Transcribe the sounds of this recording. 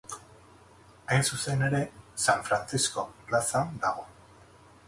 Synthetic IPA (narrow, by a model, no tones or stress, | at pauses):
ajnsuse̞ne̞ɾe̞saɱfɾant͡sisko̞plasand̪aɣ̞o̞